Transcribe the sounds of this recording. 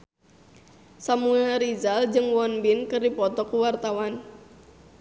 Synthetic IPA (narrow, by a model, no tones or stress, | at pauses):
samuɛlɾizald͡ʒɨŋwɔnbinkərdipɔt̪ɔkuwart̪awan